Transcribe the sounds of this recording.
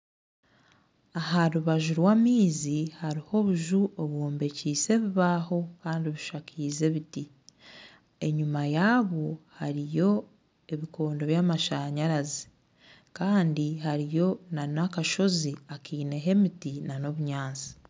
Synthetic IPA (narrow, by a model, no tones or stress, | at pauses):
aɦaɾuβaʒuɾwaːmiːzihaɾiho̞βuʒuoβwoːmbe̞ciːse̞βiβaːho̞kaːndiβiʃakʰiːze̞βiti | e̞ɲumajaːβo̞haɾijo̞ | e̞βiko̞ːndo̞βjaːmaʃaɲaɾazi̥ | kaːndiɦaɾijo̞nanakaʃo̞ziakiːne̞ɦe̞mitinano̞βuɲaːnt͡si̥